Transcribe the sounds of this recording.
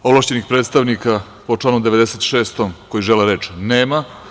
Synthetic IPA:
ovlaʃt͡ɕe̞nixpɾet̪st̪aʋnika | pot͡ʂlaːnomd̪eʋe̞d̪eset̪ʃeːst̪omkojiʒeleɾe̞ːt͡ʃneːma

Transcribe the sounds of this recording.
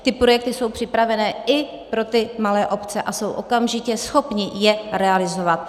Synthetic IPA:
t̪ɪpɾojɛk̚t̪ɪso̞wpr̥ɪpɾavɛnɛːɪ | pɾo̞t̪ɪmalɛːʔo̞pt͡sɛʔaso̞wʔo̞kamʒɪcɛsxo̞pɲɪjɛɾɛalɪzo̞vat̪̚

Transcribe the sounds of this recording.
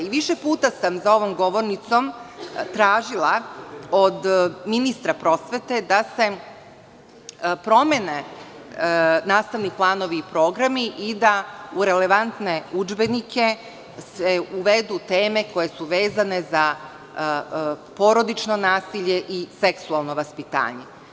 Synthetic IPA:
iʋiʃepuːt̪asamzao̞ʋo̞mɡo̞ʋo̞ɾnit̪so̞mt̪ɾaːʒilˠaod̪minist̪ɾapɾo̞sʋe̞t̪e̞d̪ase̞ | pɾo̞me̞ne̞ | naːst̪aʋniplˠaːno̞ʋiːpɾo̞ːɡɾamiʔid̪auɾe̞le̞ʋant̪ne̞ud͡ʒbe̞nikʰe̞ | seuʋed̪ut̪e̞ːme̞ko̞je̞suʋe̞ːzane̞za | po̞ɾo̞d̪it͡ʃno̞naːsiʎe̞ʔiseksualˠno̞ʋaspit̪a̰ːɲe̞

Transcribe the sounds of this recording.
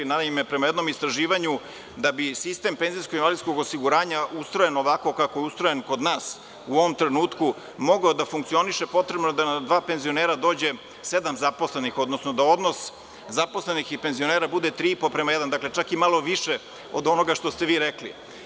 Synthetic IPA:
naime̞pɾe̞majed̪no̞mist̪ɾaʒiːʋaɲu | d̪abisist̪e̞mpe̞nzijskoɡinʋalisko̞ɡosiɡuɾaːɲaʔust̪ɾojeno̞ʋako̞kako̞jeust̪ɾojenko̞d̪naːs | uoʋomt̪ɾe̞nuːt̪ku | mo̞ɡaod̪afuŋkt̪sio̞niʃe̞po̞t̪ɾe̞bnod̪anad̪ʋaːpe̞nzio̞neːɾad̪o̞ːd͡ʑe̞ | se̞d̪amzapo̞sle̞nixo̞d̪nosno̞d̪ao̞d̪no̞s | zapo̞sle̞nixipe̞nzio̞neːɾabud̪e̞t̪ɾipopɾemajed̪and̪akle̞t͡ʃakimalˠo̞ʋiʃe | od̪o̞no̞ɡaʃt̪o̞st̪e̞ʋiːɾeklḭ

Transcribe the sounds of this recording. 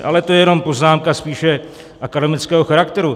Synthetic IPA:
ʔa̰lɛt̪ojɛjɛno̞mpo̞znaːmkaspiːʃɛ | ʔakadɛmɪt͡skɛːɦoxaɾakt̪ɛɾu

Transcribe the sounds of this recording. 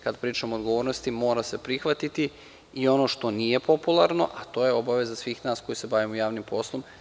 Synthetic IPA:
kad̪pɾiːt͡ʃamoːd̪ɡoʋo̞ːɾnost̪imo̞ːɾase̞pɾixʋat̪it̪i | io̞no̞ʃt̪o̞niːje̞po̞pulˠaɾno̞ʔat̪o̞ːjeo̞baʋe̞zasʋiːxnaːsko̞jise̞baʋimojaːʋnimpo̞slˠom

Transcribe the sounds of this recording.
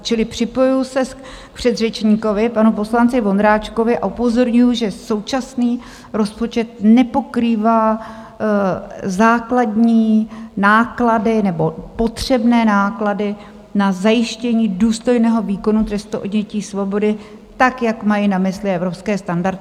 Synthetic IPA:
t͡ʃɪlɪpr̝̥ɪpo̞jujʊsɛ | k̚pr̥ɛd̪rɛt͡ʃɲiːko̞vɪpanupo̞slant͡sɪvo̞nd̪ɾaːt͡ʃko̞vɪʔa̰ʔupo̞zo̞ɾɲujuʒɛso̞wt͡ʃasniː | ɾo̞spo̞t͡ʃɛt̪̚nɛpo̞kɾiːvaː | zaːkladɲiːnaːkladɪnɛbo̞po̞t̪r̝̥ɛbnɛːnaːkladɪ | nazajɪʃcɛɲiːduːst̪o̞jnɛːɦo̞viːko̞nut̪ɾɛst̪uʔodɲɛciːsvo̞bo̞dɪ | t̪akjakmajinamɪslɪɛvɾo̞pskɛːst̪andaɾt̪ɪ

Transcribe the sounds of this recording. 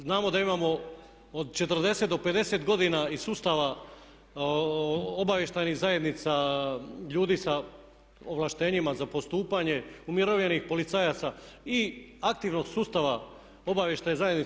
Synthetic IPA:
znaːmo̞d̪aimaːmo̞ | od̪t͡ʃe̞t̪r̩d̪e̞se̞t̪d̪oped̪e̞se̞t̪ɡo̞d̪inaisuːst̪aʋa | obaʋje̞ʃt̪ajniɣzaje̞d̪nit̪sa | ʎuːd̪iːsa | oʋlaʃt̪e̞ːɲimazapo̞st̪uːpaɲe̞umjiɾoʋʎenixpo̞lit̪sajat̪saiak̚t̪iʋno̞ɡsuːst̪aʋa | o̞baʋje̞ʃt̪ajezajed̪ni

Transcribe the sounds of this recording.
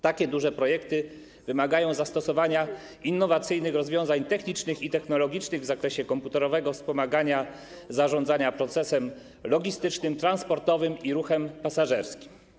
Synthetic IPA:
t̪akʲɛd̪uʐɛpɾɔjɛkt̪ɘ | vɘmaɡajɔ̃w̃zast̪ɔsɔvaɲa | inːɔvat̪sɘjnɘxɾɔzvʲjɔ̃w̃zaɲt̪ɛxɲit͡ʂnɘxit̪ɛxnɔlɔɡʲit͡ʂnɘɣvzakɾɛɕɛkɔmput̪ɛɾɔvɛɡɔfspɔmaɡaɲa | zaʐɔ̃nd̪zaɲapɾɔt̪sɛsɛm | lɔɡʲist̪ɘt͡ʂnɘmt̪ɾanspɔɾt̪ɔvɘmiɾuxɛmpasaʐɛɾskʲi̥m

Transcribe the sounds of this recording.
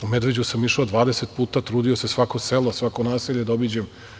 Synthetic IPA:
umed̪ʋe̞d͡ʑusamiʃeod̪ʋaːd̪eset̪̚puːt̪at̪ɾuːd̪io̞sesʋako̞selo̞sʋakonaːsiʎed̪obid͡ʑem

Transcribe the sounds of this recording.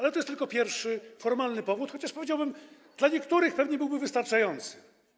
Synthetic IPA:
alɛt̪ɔjɛst̪ɘlkɔpʲjɛɾfʂɘfɔɾmalnɘpɔvut̪xɔt͡ɕaʂpɔvʲed͡ʑawbɘm | d̪̥laɲɛkt̪uɾɘxpɛvɲɛbɘwbɘvɘst̪aɾt͡ʂajɔnt̪sɘ̥

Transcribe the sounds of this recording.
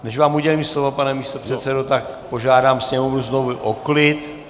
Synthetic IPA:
nɛʃvaːmuɟɛliːmslovopanɛmiːst̪opr̥ɛt̪sɛdot̪ak | po̞ʒaːdaːmsɲɛmomuznovʊʔoklɪt̪

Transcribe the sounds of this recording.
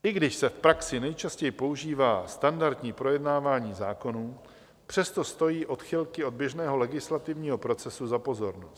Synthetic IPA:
ʔɪɡdɪʃsɛfpɾaksɪnɛjt͡ʃascɛjɪpo̞uʒiːvaːst̪andaɾt̪ɲiːpɾo̞jɛdnaːvaːɲiːzaːko̞nuː | pr̝̥ɛst̪o̞st̪o̞jiːʔo̞t̪xɪlkɪo̞d̪̚bjɛʒnɛːɦo̞lɛɡɪslat̪ɪvɲiːɦo̞pɾo̞t͡sɛsuzapo̞zo̞ɾnost̪

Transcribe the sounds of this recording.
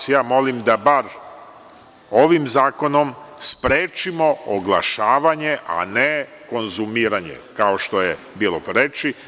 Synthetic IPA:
sjaːmo̞limd̪abaɾ | o̞ʋimzaːko̞no̞mspɾeːt͡ʃimo̞oɡlˠa̰ʃaːʋaɲe̞ʔa̰ne | ko̞nzumiːɾaɲḛkao̞ʃt̪o̞je | biːlˠopɾet͡ʃi

